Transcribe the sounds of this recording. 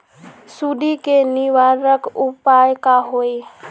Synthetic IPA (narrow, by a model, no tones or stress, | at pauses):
suɖ̪ikeniʋaɾəkupajkaɦoj